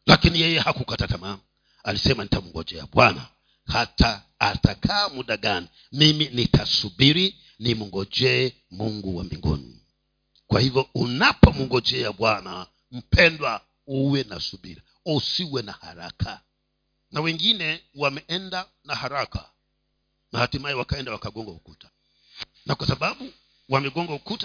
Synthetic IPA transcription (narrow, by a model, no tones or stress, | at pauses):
lakinijɛjɛhakukatatama | alisɛmanitamuŋɡɔd͡ʒɛja̰ɓwana̰ | hataː | takʰaːmuɗaɡani | miminitʰasuɓiɾi | nimuŋɡɔd͡ʒɛ | muŋɡuwambḭŋɡɔ̰nḭ | kwahivjɔunapɔmuŋɡɔd͡ʒɛjaɓwana | m̩pɛndwa | uwɛna̰suɓḭɾi | ɔsiwɛnaha̰ɾa̰kʰa | nawɛŋɡinɛwamɛʔɛnda | nahaɾaka̰ | mahatimajɛwakaɛndawakaɡɔŋɡaukutḁ | nakwasaɓaɓu | wamɛɡɔŋɡaukuta